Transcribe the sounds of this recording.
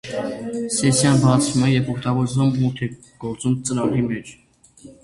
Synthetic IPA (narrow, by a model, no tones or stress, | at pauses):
sɛsjɑnbɑt͡sʰvumɛjɛvɔkʰt̪ɑɡɔɾzumːut̪ʰɛ | ɡ̥ɔɾt͡sumt͡sənɑlimɛt͡ʃʰ